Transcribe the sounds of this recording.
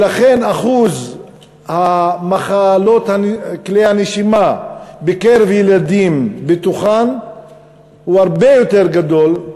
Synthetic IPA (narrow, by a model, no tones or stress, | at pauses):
laχe̞naχuz | hamaχalo̞t̪hanklehaneʃimabekeʁevjelad̪imbet̪uχan | huhaʁbe̞jo̞t̪e̞ʁɡad̪o̞l